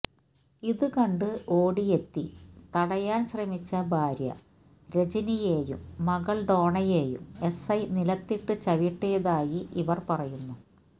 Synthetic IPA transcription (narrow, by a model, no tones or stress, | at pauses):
iðɨkɐɳɖɨo̞ːɽije̞t̪ːit̪ɐɽɐjaːnɕrɐmit͡ɕːɐbʱaːɾjɐ̰ | ɾe̞d͡ʑinijeːjṵmːɐɣɐɭɖo̞ːɳɐjeːjṵme̞sɐjnilɐt̪ːiʈːɨt͡ɕɐʋiʈːijɐðaːjiʔiʋɐrpɐrɐjunːu